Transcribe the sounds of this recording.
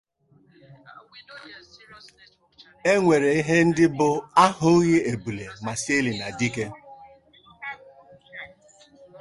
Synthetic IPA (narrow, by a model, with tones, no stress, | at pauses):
e˦ŋʷe˨ɾe˨i˦ɦe˦n̩˦dɪ˦bʊ˨a˦hʊ˦ɣe˦e˨bu˨le˨ma˨se˦li˨na˨di˦ke˦